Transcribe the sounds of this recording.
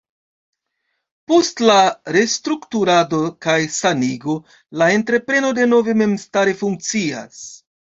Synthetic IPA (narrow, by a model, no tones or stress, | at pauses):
po̞stlaɾe̞stɾuktuɾado̞kajsaniɡo̞ | lae̞ntɾe̞pɾe̞no̞de̞no̞ve̞me̞mstaɾe̞fuŋk̚t͡sia̰s